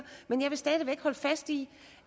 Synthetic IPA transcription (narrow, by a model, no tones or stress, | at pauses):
menjɑɪʋe̝sd̥ɛð̞ˠiʋeɡ̥hɒ̽ləfæsd̥i